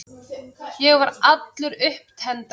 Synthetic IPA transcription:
jɛɣvaɾʔat̪lʏɾʏhp̚t̪ʰɛnt̪

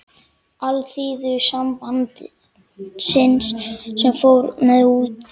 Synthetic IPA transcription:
alθiːðʏsampant̪ɪ | sɪnsːɛmfoːwɾmɛðuːt̪

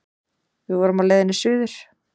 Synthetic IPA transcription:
vɪðvɔːɾʏmaðleːjðɪnːɪsʏːðʏɾ̥

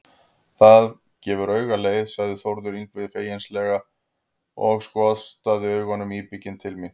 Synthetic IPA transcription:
θað | cɛːvʏɾœːɥɣaleːjðsaɣðʏθowɾðʏɾiŋkvɪðfeːjɪnslɛɣa | ɔɣskɔ̥ːst̪aːðɪœːɥɣɔnːʏmiːpicɪnt̪ʰɪlmɪ

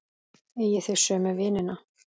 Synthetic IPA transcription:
ejɛθeɣ̥sœːmɛvɪːnɪna

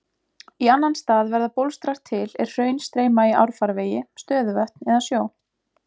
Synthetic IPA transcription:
ianːanst̪aːðvɛɾðapowlst̪ɾaɾ̥t̪ʰːɪlɛr̥r̥œːɥnst̪ɾeːjmaiʔa̰wɾ̥faɾveːjɪst̪œːðʏvœht̪nɛðasjoːw

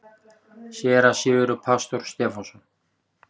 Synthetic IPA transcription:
ɕjɛːɾasɪvʏɾʏpʰast̪ɔɾ̥st̪ɛːfɔsɔn

